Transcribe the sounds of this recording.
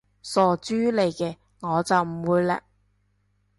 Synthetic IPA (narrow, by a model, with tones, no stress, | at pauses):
sɔː˨˧t͡ʃyː˥le˨˧jkɛː˧ | ŋɔː˨˧t͡sɐ˨wm̩˨˩wuː˨˧jlɛ̰ː˧